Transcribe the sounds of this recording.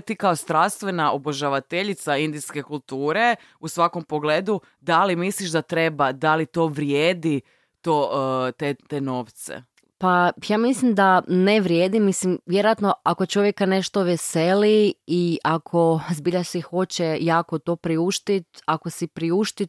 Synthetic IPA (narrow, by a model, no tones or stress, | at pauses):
t̪iːkaost̪ɾast̪ʋenaʔoboʒaʋat̪eʎit̪saind̪iske̞kulˠt̪uːɾe | usʋako̞mpoɡleːd̪u | d̪alimisliʒd̪at̪ɾebad̪alit̪o̞ːʋɾjeːd̪i | t̪oːt̪et̪eno̞ːʋt̪sḛ | pajaːmislimd̪aneʋɾjeːd̪imːislimʋjeɾojat̪no̞ako̞t͡ʃo̞ʋjekane̞ʃt̪o̞ʋeseliiʔakʰo̞zbiʎasixo̞t͡ɕejaːko̞t̪o̞ːpɾiuʃt̪it̪akosipɾiuʃt̪it̪